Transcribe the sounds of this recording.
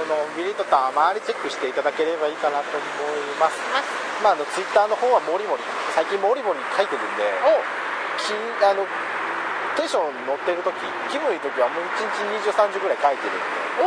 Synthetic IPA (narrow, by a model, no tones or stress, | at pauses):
ono̞bʲiɾʲit̪ːot̪amaːɾʲit͡ɕe̞kːɯ̟ɕi̥t̪e̞it̪ad̪ake̞ɾe̞baiːkanat̪o̞mo̞imasɨ̥ | maːno̞t͡sɨit̪ːaːno̞hõɰ̃βamo̞ɾʲimo̞ɾʲi | saikʲĩmmoɾʲimo̞ɾʲikʰait̪eɾɯ̟̃nd̪e̞ | kʲʰĩ | ano̞ | t̪ẽ̞ɰɕõ̞ɲno̞t̪ːe̞ɾɯ̟t̪o̞kʲi | kʲibɯ̟̃iɯ̟t̪o̞kʲiβamoit͡ɕĩɲ̟it͡ɕiɲ̟iʑɨːsãɲd͡ʑɨɡɯ̟ɾaikait̪eɾɯ̟̰̃nd̪e